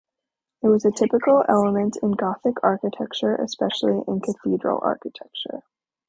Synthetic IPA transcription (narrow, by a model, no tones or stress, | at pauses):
ɨt̚wʌzɨtʰɪpɨkl̩ˠɛ̰lˠəmɨ̃ntʰɨ̃nɡɑθɨkʰɑɹkɨtʰɛk̚t͡ʃə˞ʔɨ̰spɛʃl̩ˠiʔɪ̃nkʰɨθidɹ̰l̩ˠɑ̰ɹkɨtʰɛk̚t͡ʃə̰˞